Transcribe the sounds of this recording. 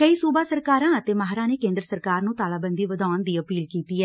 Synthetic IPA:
kəiːsuːbaːsəɾkaːɾãːt̪eːmaːɦɾãːneːkẽːnd̪ɾəsəɾkaːɾnũːt̪aːlaːbənd̪iːʋəd̪aːnd̪iːəpiːlkiːt̪iːɛː

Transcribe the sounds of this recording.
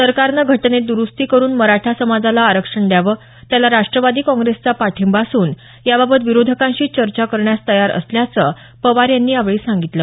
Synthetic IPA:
səɾkaɾnaɡʱəʈned̪uɾust̪iːkəɾuːnməɾaʈʰasəmad͡zalaːɾəkʂəɳɖjaʋə | t̪jalaɾaʂʈɾəʋad̪iːkɔ̃ŋɡɾest͡sapaʈʰimbasuːn | jababət̪ʋiɾod̪ʱəkãɕiːt͡ɕəɾt͡ɕakəɾɳjast̪əjaɾə̰sljat͡sə | pəʋaɾjanːiːaʋɭiːsãŋɡit̪lə

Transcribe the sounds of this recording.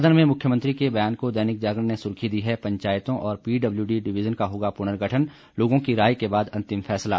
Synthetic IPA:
d̪ənmẽmʊkʰjəmə̃nt̪ɾikebɐjaːnkod̪ɛːnɪk̚d͡ʒaːɡɾənesʊɾkʰid̪iɦɛpɐ̃ɲt͡ʃaːjt̪õʔɔːɾpiːɖɐbljuɖiɖɪʋɪd͡ʒənkaɦoːɡapʊñəɾɡʱɐʈʰən | loːɡõkiɾaːjkebaːd̪ɐ̃nt̪ɪmfʰɛːsla̰ː

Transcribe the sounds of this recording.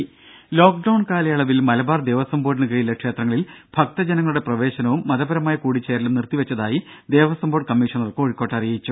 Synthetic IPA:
lo̞ːk̚ɖɐwɳkaːlɐjɐɭɐʋilmɐlɐbaːrd̪e̞ːʋɐsɐmboːɖnɨkɐjilɐkʂe̞ːt̪rɐŋːɐɭilb̥ʱɐk̚t̪ɐd͡ʑɐnɐŋːɐɭuɽe̞prɐʋe̞ːɕɐnɐʋumːɐðɐbɐɾɐmaːjɐkuːɽit͡ɕːeːɾilumnirt̪iʋɐt͡ɕːɐðaːji | d̪e̞ːʋɐsɐmbo̞ːɖ̚kɐmːiːʂɐnɐrkɨo̞ːɻikːoːʈːɐrijɐjit͡ɕːu

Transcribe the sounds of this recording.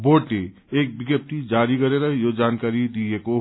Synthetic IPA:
boːʈle | eːk̚bɪɡjep̚t̪id͡ʒaːɾikɐɾeɾɐɦejod͡ʒaːnkaːɾid̪ieko

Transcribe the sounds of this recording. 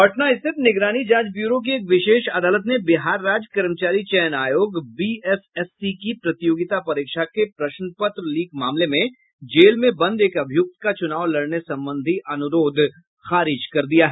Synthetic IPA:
pɐʈnaɪseb̪nɪɡɾaːnid͡ʒãːd͡ʒbjuːɾõk̬ieːkʋɪʃeːʃɐd̪aːlət̪nebɪɦaːɾːaːd͡ʒkɐɾmt͡ʃaːɾit͡ʃɛjnaːjoːɡbiːɛsɛsːikipɾɐt̪joːɡɪt̪apɐɾɪːkʃakepɾɐʃnpət̪ɾliːkmaːmlemẽ | d͡ʒeːlmẽbɐ̃nd̪eːkɐbʱɪjʊk̚t̪kat͡ʃʊnaːʋlɐɽnesɐ̃mbə̃nd̪ʱiʔɐnʊɾoːd̪ʱ | xaːɾɪd͡ʒkɐɾd̪ijaɦɛː

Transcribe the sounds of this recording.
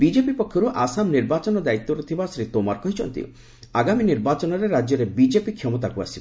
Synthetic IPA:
bid͡ʒepipɔkʰjɔɾuʔasamniɾbat͡ʃɔnɔd̪ait̪ːɔɾut̪ʰibasɾit̪omaɾkɔɦit͡ʃʰɔ̰nt̪ḭ | aɡaminiɾbat͡ʃɔnɔɾeɾad͡ʒjɔɾebid͡ʒepikʰjɔmɔt̪akua̰si

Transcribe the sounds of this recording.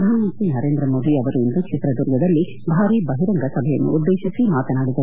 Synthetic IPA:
d̪ʱaːnɐmɐnt̪ɾinɐɾeːnd̪ɾɐmoːd̪iɐʋɐɾuind̪ukt͡ʃit̪ɾɐd̪uɾɡɐd̪ɐlːi | bʱaːɾibɐɦiɾɐŋɡɐsɐbʱɐjɐnːṵud̪ːeːʃisimaːt̪ɐnaːɽid̪ɐ

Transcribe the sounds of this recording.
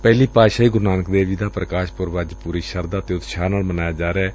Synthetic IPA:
pɛːliːpaːʃaːiːɡʊɾnaːnəkd̪eːʋiːd̪aːpɾəkaːʃpʊɾʋaːd͡ʒpuːɾiːʃəɾd̪aːt̪eːʊt̪ʃaːnaːlmənaːjaːd͡ʒaːɾɛː

